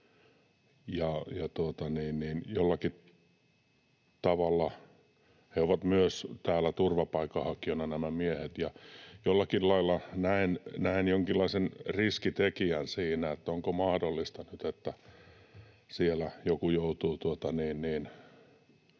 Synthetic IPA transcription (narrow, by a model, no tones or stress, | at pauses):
jɑjɑt̪uot̪ɑniːnniːnjolːɑki | t̪ɑʋɑlːɑ | heoʋɑt̪myøst̪æːlːˑæt̪urʋɑpɑikːɑhɑkionɑnæmæmiehet̪jɑjolːɑkillɑilːɑnæinnæinjoŋkilːɑisenriskit̪ekiænsiːnæet̪ːæoŋkomɑhdolːist̪ɑnyt̪et̪ːæ | sielæjokujout̪uːt̪uot̪ɑniːnniːn